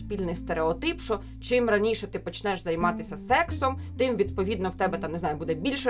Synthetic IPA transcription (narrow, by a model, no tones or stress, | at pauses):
sʲpʲilʲnɪjst̪eɾeɔt̪ɪpʃɔ | t͡ʃɪmrɐnʲiʃɛt̪ɪpɔt͡ʃnɛʃzɐjmɑt̪ɪsʲɐsɛksɔmt̪ɪmʋʲid̪pɔʋʲid̪nɔwt̪ɛbɛt̪ɑmnezɑjʊbud̪ɛbʲilʲʃɛ